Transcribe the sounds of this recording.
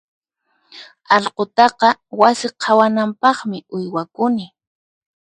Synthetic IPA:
ɑlqot̪ɑqɑwasɪqʰɑwanampɑχmɪʊjwakʊnɪ

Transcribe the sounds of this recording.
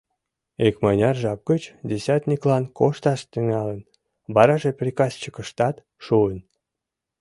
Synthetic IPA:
ekmɑnʲɑrʒɑp̚ɡət͡ɕd̪ʲesʲɑt̪ʲnʲiklɑnkoʃt̪ɑʃt̪yŋɑlən | bɑɾɑʒeprʲikɑst͡ɕəkə̆ʃt̪ɑt̪ | ʃuən

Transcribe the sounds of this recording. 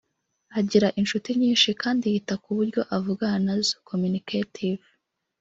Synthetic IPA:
aɟiɾaʔinʃutiɲiːnʃikaːndihitakuβuɾɟo̞ʔavuɡanazkʰomunikatʰiv

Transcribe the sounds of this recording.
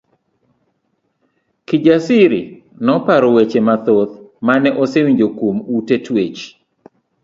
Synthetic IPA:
kid͡ʒasɪɾɪ̰ | nɔpaɾɔwet͡ʃemat̪ot̪manɛʔɔsewiɲd͡ʒokomutetwet͡ʃ

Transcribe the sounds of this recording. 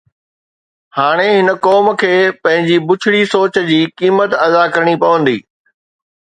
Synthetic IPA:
haːɽ̃eɦɪnə̆kɔːmkʰeːpɐ̃ɦɪ̃ɲd͡ʑibʊt͡ɕʰɪɽisoːt͡ɕd͡ʑiːkiːmət̪ɐd̪akɐɾəɽ̃ipɐʋə̃nd̪ḭː

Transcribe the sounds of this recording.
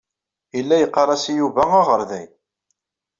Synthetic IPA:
ilːæjəqːɑɾˤɑsijuvææʁəɾˤðæj

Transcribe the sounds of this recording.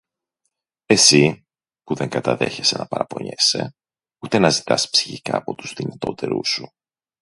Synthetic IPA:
e̞si | puðe̞ŋɡɐt̪ɐðe̞çe̞se̞nɐpɐɾɐpo̞̰ɲe̞se̞ | ut̪e̞nɐzit̪ɐspsi̥çikɐːpo̞t̪u̥zðinɐt̪o̞t̪e̞ɾusu

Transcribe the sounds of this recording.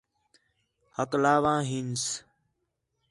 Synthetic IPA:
həklaːʋãːɦins

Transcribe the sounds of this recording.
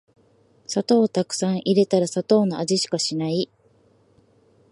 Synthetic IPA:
sat̪o̞ːt̪akɯ̟̥sãɰ̃ʔiɾe̞t̪aɾasat̪o̞ːnoaʑiɕi̥kaɕinai

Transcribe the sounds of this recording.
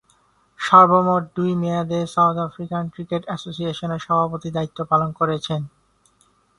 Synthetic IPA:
ʃɔɾbomoʈ̚d̪ujmead̪esawt̪ɛfɾikankɾikeʈɛsosieʃoneɾʃɔbʱapot̪id̪ait̪ːopalonkoɾet͡ɕʰen

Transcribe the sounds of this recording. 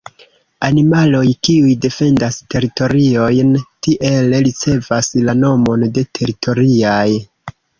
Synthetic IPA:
animalo̞jkiujde̞fe̞ndaste̞ɾito̞ɾio̞jntiʔe̞lɾit͡se̞vaslano̞mo̞nde̞tʰe̞ɾitʰo̞ɾiaj

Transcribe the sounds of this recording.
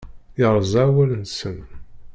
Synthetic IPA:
əɾˤzˤæwælənsən

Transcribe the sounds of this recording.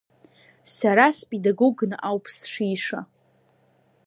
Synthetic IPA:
saɾaspʼedaɡoɡnɨʔawpʰsʂiʂa̰

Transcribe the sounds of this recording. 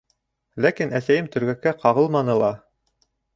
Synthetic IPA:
lækinæsæjɘmt̪ɵ̆ɾɡækːæqɑʁɤlˠmɑnɤlˠɑ

